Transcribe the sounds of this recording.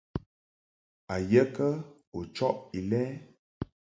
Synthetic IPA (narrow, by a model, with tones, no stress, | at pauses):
a˨jə˦kə˦ | o˨t͡ʃɔ˦ʔi˨lɛː˦